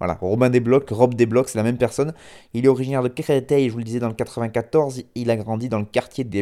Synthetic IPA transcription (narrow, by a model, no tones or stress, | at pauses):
vwa̰la̰ʁɔbɛ̃d̪eblɔkʁɔbd̪eblɔksɛlamɛmpɛʁsɔnilɛɔʁiʒinɛʁd̪əkeʁɛt̪ɛjʒəvuləd̪izɛd̪ɑ̃ləkat̪χəvɛ̃kat̪ɔʁzilaɡʁɑ̃d̪id̪ɑ̃ləkaʁt̪jed̪e